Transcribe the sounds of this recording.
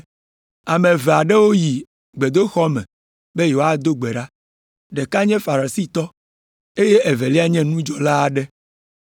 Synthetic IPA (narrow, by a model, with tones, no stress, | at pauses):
a˨mɛ̃˨vɛ˨a˨ɖɛ˦wo˦ji˨ | ɡ͡be˨d̪o˦xɔ˦mɛ̰̃˨ | be˦jo˨wa˦d̪o˦ɡ͡bɛ˨ɖa˦ | ɖɛ˨ka˦ɲɛ̃˦fa˨ɾa˨si˦t̪ɔ˦ | e˦je˦ʔɛ˨vɛ˨li˦a˦ɲɛ̃˦nũ˦d͡ʒɔ˨la˦˨ɖɛ˦